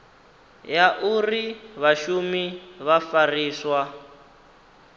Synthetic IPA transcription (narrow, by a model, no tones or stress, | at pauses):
jaʔuriβaʃumiβafariːswa